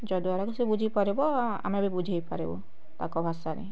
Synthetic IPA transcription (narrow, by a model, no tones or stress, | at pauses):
d͡ʒɔd̪uaɾakusebud͡ʒʱipaɾebɔa̰mɾabibud͡ʒʱejpa̰ɾḛbɔ̰ | t̪a̰kɔbʱasanḭ